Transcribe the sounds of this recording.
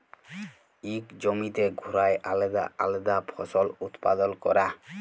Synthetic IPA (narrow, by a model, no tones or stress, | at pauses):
ikd͡ʑomit̪eɡʱuɾajʔald̪a̰a̰led̪apʰɔsɔlut̪pad̪ɔlkɔɾa